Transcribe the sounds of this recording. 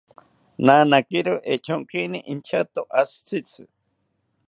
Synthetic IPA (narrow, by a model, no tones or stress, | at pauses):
nanakiɾoʔet͡ʃʰoŋkiniʔint͡ʃʰat̪oʔast͡sʰit͡sʰɨ